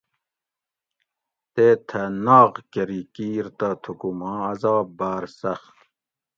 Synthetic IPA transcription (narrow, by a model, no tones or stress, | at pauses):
t̪eːt̪ʰɐnaːʁkɐɾikiːɾt̪at̪ʰukumɑ̃ːɐzɑːbbaːɾsɐxt̪